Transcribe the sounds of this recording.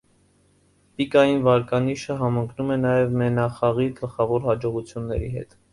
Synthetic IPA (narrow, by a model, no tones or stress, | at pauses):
pikɑjinvɑɾkɑniʃəɦɑməŋkʰnumɛnɑjɛvmɛnɑχɑʁiɡəlχɑvɔɾhɑd͡ʒɔʁut͡sʰjunːɛ̰ɾḭɦɛ̰t̪